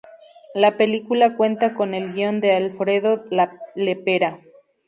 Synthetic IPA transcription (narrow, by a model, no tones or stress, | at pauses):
lape̞likulakwe̞nt̪ako̞ne̞lɡio̞nd̪e̞alfɾeðolalepeɾa